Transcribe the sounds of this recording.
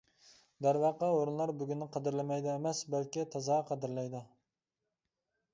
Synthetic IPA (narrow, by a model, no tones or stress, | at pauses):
d̪æɾvɑqːɑoɾunlˠɑɾbyɡʲynːɪqʰɑd̪ɪɾlɪmɛjd̪ɪemɛsbælkʲit̪ʰɑzɑqʰɑd̪ɪɾlɛjd̪ɨ